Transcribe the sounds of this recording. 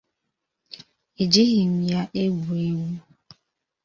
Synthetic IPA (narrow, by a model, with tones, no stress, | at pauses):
e˨d͡ʒi˦ɦi˨m̩˨ja˦ʔe˦ɡʷu˨e˦ŋu˦